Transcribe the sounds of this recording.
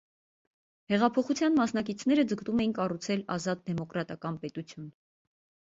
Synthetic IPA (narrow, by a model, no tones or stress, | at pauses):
hɛʁɑpʰɔχut͡sʰjɑnmɑsnɑk̬it͡sʰnɛɾəd͡zəkt̪umɛjinkɑrut͡sʰɛlɑzɑt̪̚d̪ɛmɔkɾɑt̪ɑkɑnpɛt̪ut͡sʰjun